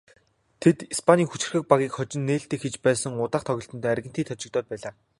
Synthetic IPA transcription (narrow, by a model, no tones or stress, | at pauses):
t̪ʰet̪ispʰanʲiːxut͡ɕɪ̆rxɘ̆k̚paɣʲiːkχɔt͡ɕɪ̆nːeːɬt̪eːkxet͡ɕpæːsə̆ŋʊt̪aːχt̪ʰɔɣʲɪ̆ɬt̪ɞ̆nt̪æːærɣʲɘ̆nt̪ʰiːt̪ʰɔt͡ɕɪ̆k̚t̪ɔːt̪̚pæːɮaː